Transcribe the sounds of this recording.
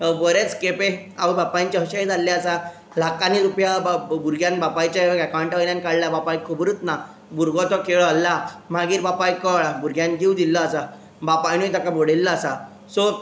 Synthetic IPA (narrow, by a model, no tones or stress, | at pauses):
bəɾet͡skepeaʋəbapãɲt͡ɕaɦəɕajd͡zʱalːaasa | lakaniɾupjabuɾɡʱjãnbapajt͡ɕaakaɳʈajljãnkaɽljabapajkʰubɾut̪na | buɾɡɔt̪ɔkeɭalːam̤aɡiːɾbapajkəɭabuɾɡʱjãnɡiwd̪ilːaːsa | bapajnujt̪akaboɽelːaːsa | sɔ